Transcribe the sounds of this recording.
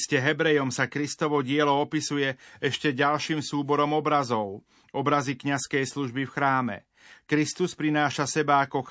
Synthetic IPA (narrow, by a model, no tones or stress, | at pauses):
scɛɦɛbɾɛjɔmsakɾist̪ɔʋɔɟɪɛlɔɔpisujɛɛʃcɛɟalʃiːmsuːbɔɾɔmɔbɾazɔʊ | ɔbɾazikɲaskɛjsluʒbifxɾaːmɛ̰ | kɾist̪uspɾinaːʃasɛbaːkɔx